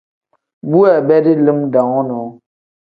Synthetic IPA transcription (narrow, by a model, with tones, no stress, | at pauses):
bu˦ɛ˨bɛ˦dɪ˦lɨ˦mda˨ŋɔ˦nɔ˨˦